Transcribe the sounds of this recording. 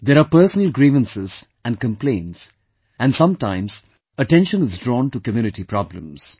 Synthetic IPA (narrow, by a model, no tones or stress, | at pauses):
d̪eɾaːpəɾsənəlɡɾiːʋə̃nsɪz | æ̃nɖkə̃mplẽːnʈs | æ̃nsʌ̃mʈãɪ̃mz̥ | əʈɛ̃nʃə̃nɪzdɾɔ̃ːnʈukəmjuːnɪʈipɾɔblə̰̃mz̥